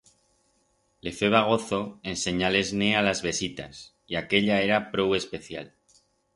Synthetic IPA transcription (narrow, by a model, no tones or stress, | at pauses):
le̞fe̞β̞aɣ̞o̞θo̞ense̞ɲale̞znealazβe̞sit̪a̰s | iake̞ʎaeɾapɾo̞we̞spe̞θjal